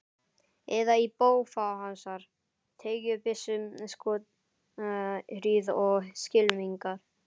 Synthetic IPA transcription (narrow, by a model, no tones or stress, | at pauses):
ɛðaipoːwfawɦansaɾ̥ | t̪ʰeːjʏpɪsːʏmskɔːt̪ | ɾyːðɔɣscɪlmiŋkaɾ̥